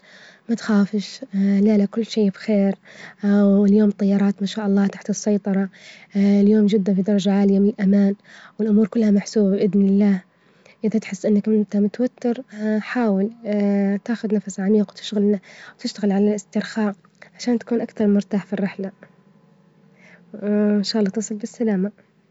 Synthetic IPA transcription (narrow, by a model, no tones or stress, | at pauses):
mat̪xaːfɪʃlaːlakʊlːʃeːbxeːɾ | wɪljoːmt̪ˤːɑjːɑɾˤɑːt̪maʃaːʔɑlˤːɑːt̪aħt̪ɨsːɑjt̪ˤɑɾˤɑ | ɪljoːmd͡ʒɪd̪ːanfid̪ɑɾˤɑd͡ʒaʕaːlɪjamɪnɪlʔamaːnwɪlʔʊmuːɾkʊlːhamaħsuːbabʔɪðnɪlːaːh | ʔɪðat̪ħɪsːʔɪnːakʔɪnt̪amʊt̪awat̪ːɪɾħaːwɪlt̪aːxʊd̪nafsʕamiːqwt̪ɪ̥ʃɣalawt̪ɪʃt̪aɣɪlʕalalʔɪst̪ɪɾxaːʔ | ʕaʃaːnt̪ḁkuːnʔakθɑɾˤmʊɾt̪aːħfirːɪħla | ɪnʃaːʔlːɑːt̪ɨsˤɨlbɪsːalaːma